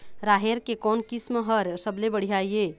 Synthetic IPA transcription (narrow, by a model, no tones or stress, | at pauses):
ɾaɦeɾkekɔnkismɦəɾsəblebəɽ̤ijajje